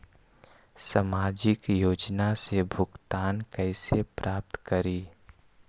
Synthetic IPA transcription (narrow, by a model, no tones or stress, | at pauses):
samaːd͡ʒɪkjoːd͡ʒnasebʱʊɡt̪aːnkɛɪsepɾʔaːp̚t̪kəɾiː